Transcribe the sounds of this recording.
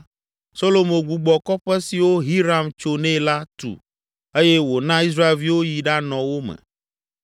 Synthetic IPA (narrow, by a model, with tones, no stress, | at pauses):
so˦lo˨mõ˨ɡu˨ɡ͡bɔ˨kɔ˦ɸɛ˦si˨wo˦ɦi˦ɾa˦mt͡ʃo˨nɛ̃˦la˦t̪ṵ˨ | e˦je˦wo˨nã˦i˦s̬ɾa˦e˨lvi˦wo˦ji˨ɖa˦nɔ̃˨wo˦mɛ̰˨